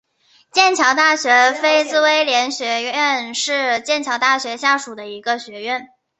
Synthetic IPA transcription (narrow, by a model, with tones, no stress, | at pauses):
t͡ɕjɛ˥˩nt͡ɕʰjɑ˧˥ŋt̪a˥˩ɕɥɛ˧˥fe˥ɪt͡sɹ̩˥˧we˥ɪljɛ˧˥nɕɥɛ˧˥ɛ˥˧nʂɻ̩˥˧t͡ɕjɛ˥˩nt͡ɕʰjɑ˧˥ŋt̪a˥˩ɕɥɛ˧˥ɕja˥˩ʂu˨˩d̪ə˦i˧˥ɡə˧ɕɥɛ˧˥ɥɛ˥˩n